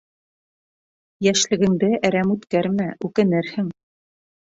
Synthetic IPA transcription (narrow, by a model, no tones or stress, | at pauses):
jæʃlɘ̆ɡɘ̆ŋd̪ɘʔæɾæmʉt̪kæɾmæʉkɘ̆nɘɾhɘŋ